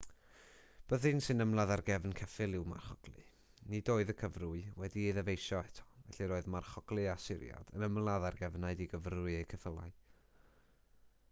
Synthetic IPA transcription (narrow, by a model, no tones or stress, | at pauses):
b̥əðinsɨnəmlˠaðarɡɛvnkʰɛfɪlˠɪwma̰rχɔɡ̥lˠɨ̰ | nidoːɨðəkʰəvrʊɨwɛdiiðɛvejʃɔɛtʰɔ̥vɛ̰ɬiɾoːɨðmarχɔɡ̥lˠɨasɪ̰ɾja̰d̥ənəmlˠaðarɡɛvnaɨdiɡəvrʊɨejkʰəθəlˠa̰ɨ